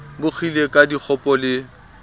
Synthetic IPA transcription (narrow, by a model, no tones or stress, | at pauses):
bʊk͡xʰilekʼadik͡xʰɔpʼɔlɪ